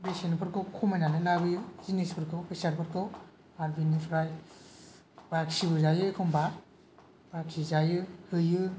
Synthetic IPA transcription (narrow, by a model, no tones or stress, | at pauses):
besenupʰɯɾkʰɯwkʰɔmajnanɯlabɯjɯzinespʰɯɾkʰɯwpʰesaɾpʰɯɾkʰɯw | aɾbinipʰɾaj | baksibɯzajɯekʰɔmba | baksizajɯhɯjɯ